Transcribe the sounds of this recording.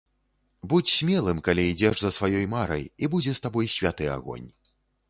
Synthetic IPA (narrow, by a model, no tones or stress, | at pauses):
but͡sʲsʲmʲɛlˠɨmkalʲiid͡zʲɛʂzɐsvajɔjmaɾɐ̰jibud͡zʲɛst̪abɔjsʲvʲat̪ɨa̰ɣɔ̰nʲ